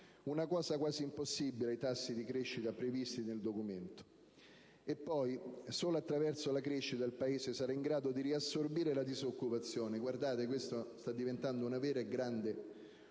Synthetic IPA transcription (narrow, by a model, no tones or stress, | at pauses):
unakɔːsakwaːziːmposːibːileajt̪asːid̪ikɾeʃːit̪apɾevist̪ineld̪okument̪o̥ | epːɔjsoːlaat̪ːɾavɛrsolakɾeʃːit̪aelpaeːzesaɾaiŋɡɾaːd̪od̪iriasːorbiːɾelad̪izokːupat̪sːjoːneɡward̪aːt̪ekwest̪ost̪ad̪ːivent̪and̪ounavɛːɾaeɡɾand̪e